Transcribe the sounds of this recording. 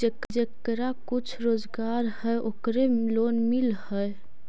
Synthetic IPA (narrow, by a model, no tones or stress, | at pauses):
d͡ʒekd͡ʒekɾakut͡ʃʰɾoːd͡ʒɡaɾhəʔokɾelonmilhəe